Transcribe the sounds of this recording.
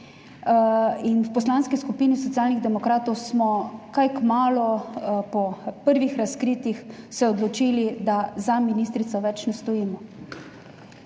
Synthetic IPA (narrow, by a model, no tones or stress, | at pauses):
inwpɔslaːnskiskupiːnis̬ɔt̪jaːlniɣd̪ɛmɔkɾaːt̪ɔwsmɔkajkmaːlɔpɔpəɾʋixɾaskɾiːt̪ix | sɛɔd̪lɔt͡ʃiːlid̪azaminiːst̪ɾit̪sɔʋɛt͡ʃnɛst̪ɔjiːmɔ